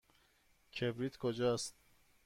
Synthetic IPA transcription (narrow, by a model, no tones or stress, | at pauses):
kʰebɾit̪ʰkʰod͡ʒɔst̪